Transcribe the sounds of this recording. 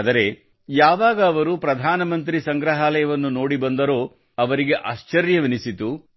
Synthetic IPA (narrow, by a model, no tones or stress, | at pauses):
d̪ɐɾe̞ | jaːʋaːɡɐːʋɐɾupɾɐd̪ʱaːnɐmɐnt̪ɾisɐŋɡɾɐɦaːlɐjɐʋɐnːuno̞ːɽibɐnd̪ɐɾo̞ː | ɐʋɐɾiɡe̞ʔaːʃt͡ʃɐɾjɐʋinisit̪u